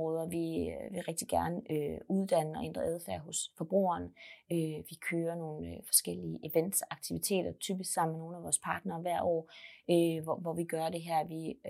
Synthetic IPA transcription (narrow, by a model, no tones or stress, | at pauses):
ɔðˠɐʋiʋe̝ʁɛɡ̥̚d̥iɡ̥æɐnəøuð̞ˠd̥ænəɒ̽ʔend̥ʁɐʔæð̞ˠfæɐ̰ɦɔ̽sfɒ̽b̥ʁṵːɐːnøʋikʰøːɐno̝ːn̩fɒ̽sɡ̥el̰iəʔeʋen̰d̥sɑ̈ɡ̥t͡sʰiʋit͡sʰe̝̰ːd̥ɐt͡sʰyːb̥isɡ̥sɑ̈m̰nmeno̝ːn̩æʋɒːspʰɑ̈ːd̥nɐːʋæɐ̰ʔɒ̰ːøʋɒʋɒʋiɡ̥ɶɐd̥e̝ɦæɐ̰ʋi